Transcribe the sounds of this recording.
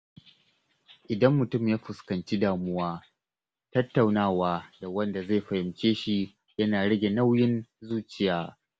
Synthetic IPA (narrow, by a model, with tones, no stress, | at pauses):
ʔɪ˨dɐ˦mːʊ˨tʊ˦mjaː˦ɸʊ˨skɐ˨nt͡ʃi˦daː˨mʊ˦waː˦ | tɐ˦tːa˨wnaː˦˨waː˦da˨wɐ˦nda˨ze˦˨ɸɐ˨hɪ˨mt͡ʃʲeː˦ʃi˦ | jɐ˦naː˨ɽɐ˦ɡʲe˨na˦wjɪ˦nzuː˦t͡ʃɪ˨jaː˦